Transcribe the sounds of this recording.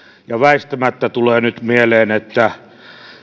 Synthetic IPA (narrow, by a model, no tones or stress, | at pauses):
jɑʋæˑist̪æmæt̪ːæt̪uleːnyt̪mieleːnet̪ːæ